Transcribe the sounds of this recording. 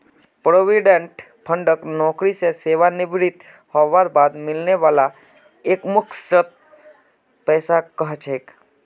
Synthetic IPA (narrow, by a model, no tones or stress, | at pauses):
pɾoːʋiɖẽɳʈ | pʰə̃ɳɖəknɔ̃ːkɾiseseːʋanɪbɾɪt̪ | hɔʋaɾbaːd̪mɪlneʋaːla | eːkmʊkʰsət̪̚ | pɛːsakəɦt͡ʃʰeːk